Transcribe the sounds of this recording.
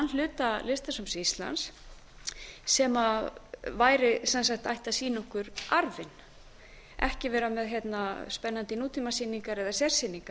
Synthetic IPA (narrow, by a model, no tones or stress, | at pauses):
anl̥ʏːt̪alɪst̪asɔmsist̪la̰ns | ɛmavaːjɾɪsɛns̬ak̚t̪ajht̪asiːnɔhkʏɾʔaɾvɪn | ɛ̰hcɪvɛːɾamɛðçɛt̪naspɛnːant̪ɪnuːt̪ʰimasiniŋkaɾɛðasɛr̥sɪniŋkaɾ